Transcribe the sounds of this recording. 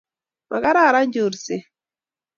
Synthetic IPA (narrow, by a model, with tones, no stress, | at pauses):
ma̰˨ka˦ɾa˦˨ɾa˦ɲd͡ʒo˨ɾse˦